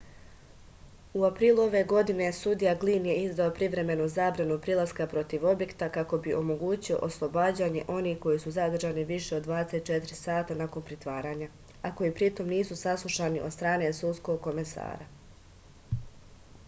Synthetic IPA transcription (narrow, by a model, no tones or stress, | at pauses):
uapɾiːlˠuo̞ʋe̞ɡo̞d̪ine̞sud̪ijaɡliːnje̞izd̪aopɾiʋɾe̞me̞nuzaːbɾanupɾilˠaskapɾo̞t̪iʋo̞bje̞kt̪akako̞biʔo̞mo̞ɡuːt͡ɕio̞̰ʔoslˠo̞baːd͡ʑaɲe̞ʔo̞nihko̞jisuzad̪r̩ʒaːniʋiʃe̞od̪ːʋaːd̪eset̪t͡ʃe̞t̪ɾisaːt̪anako̞npɾit̪ʋaːɾaːɲa | ako̞jiːpɾit̪o̞mniːsusaslˠuʃaniʔod̪st̪ɾaːne̞sulsko̞ɡ̚ko̞me̞sa̰ːɾa